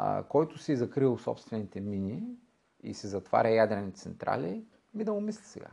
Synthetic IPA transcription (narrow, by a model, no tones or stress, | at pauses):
kɔjt̪ʊsizɐkɾilˠsɔ̰pst̪vɛnit̪ɛmini | ḭsɛzɐt̪va̰ɾʲɐjad̪ɾɛnit̪t̪sɛnt̪ɾa̰li | mid̪ɐʊmislʲisɛ̰ɡa̰